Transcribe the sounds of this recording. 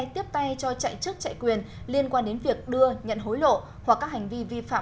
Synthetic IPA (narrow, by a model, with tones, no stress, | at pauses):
jt̪i˦˥əp̚t̪a˧jt͡ɕɔ˧t͡ɕa̰˧˨jt͡ɕɨ˦˥k̚t͡ɕa̰ː˧˨jkwi˨˩ən | li˧ənkwaː˧nɗe˨˦nvi˨˩ək̚ɗɨ˧əɲə̰˧˨nɦo˨˦jlo̰˧˨ | hwa˨˩kːaː˦˥k̚ha˨˩ŋ̟vi˧vi˧fa̰ː˧˨